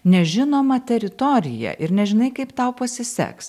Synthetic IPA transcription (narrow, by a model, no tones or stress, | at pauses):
nʲɛʒʲɪnoːmɐt̪ʲɛɾʲɪt̪ɔɾʲɪ̰jɛ̰ʔɪɾnʲɛʒʲɪnɐɪkɐɪpt̪ɐʊpɐsʲɪsʲɛ̰ks